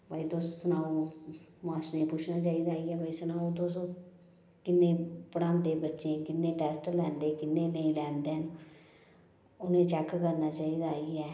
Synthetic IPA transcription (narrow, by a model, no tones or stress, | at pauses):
baːiːd̪oːssənaːoːmãːt͡ʃnẽːpʊt͡ʃʰnaːt͡ʃaːiːd̪aːiɛːbaːiːsənaːõːd̪oːsõː | kɪnːẽːpəɽãːnd̪eːbətːʃẽːkɪnːẽːʈɛːsʈlɛ̃ːnd̪eːkɪnːẽːnəĩːlɛ̃ːnd̪eːɦən | ʊnẽːt͡ʃɛːkkəɾnaːt͡ʃaːiːd̪aaːiɛː